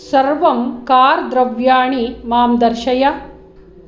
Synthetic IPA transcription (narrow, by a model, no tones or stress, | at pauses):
sɐɾʋɐmkaːɾd̪ɾɐʋjaːɳimaːmd̪ɐɾʃɐjɐ